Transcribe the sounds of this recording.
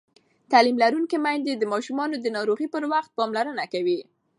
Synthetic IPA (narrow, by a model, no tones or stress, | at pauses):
t̪alimlaɾuŋkemajnd̪ed̪əmɑʃumɑnod̪ənɑɾoɣipəɾwaxt̪̚pɑmlaɾənakawi